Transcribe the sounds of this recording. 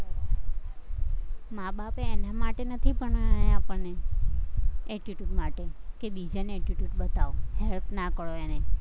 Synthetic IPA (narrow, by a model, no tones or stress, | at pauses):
maɓapeːnamaʈenət̪ʰipəɳjapəɳne | ɛʈiʈjuʈmaʈekebid͡ʒaneɛʈiʈjuʈ̚ɓət̪aʋohɛlpnakəɭoene